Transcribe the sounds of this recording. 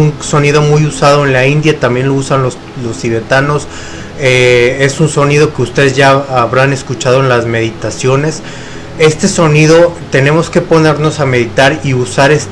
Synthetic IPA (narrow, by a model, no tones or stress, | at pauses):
unso̞niðo̞mujusað̞o̞e̞nlaind̪jat̪ambje̞nlousanlos | lo̞stiβe̞t̪ano̞s | ee̞sunso̞nið̞o̞ke̞ust̪e̞ðezʝaaβɾane̞skut͡ʃað̞o̞e̞nlazme̞ðit̪asjo̞ne̞s | e̞st̪e̞so̞niðo̞t̪e̞ne̞mo̞ske̞po̞ne̞ɾno̞same̞ðit̪aɾiusaɾes